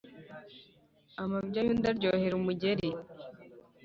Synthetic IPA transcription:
amabɟajundaɾɟoːheɾumuɟeɾi

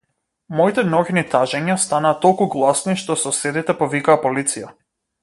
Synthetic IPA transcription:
mɔit̪ɛnɔɡnit̪aʒɛɲast̪anaːt̪ɔlˠkuɡlˠasniʃt̪ɔsɔsɛd̪it̪ɛpɔvikaːpɔlit̪sija

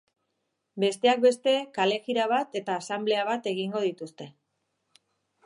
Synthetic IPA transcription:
be̞st̪e̞ak̚be̞st̪e̞kale̞xiɾaβ̞at̪e̞t̪aːsamble̞aβat̪e̞ɣ̞iŋɡo̞ð̞it̪ust̪e̞

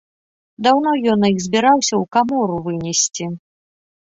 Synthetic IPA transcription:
d̪awnɔjɔnɐjiɣzʲbʲiɾawsʲɐwkamɔɾuvɨnʲɛsʲt͡sʲi

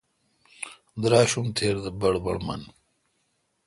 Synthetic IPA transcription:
d̪ɾaːɕumt̪ʰeːɾd̪ɐbɐɽbɐɽmɐ̰n

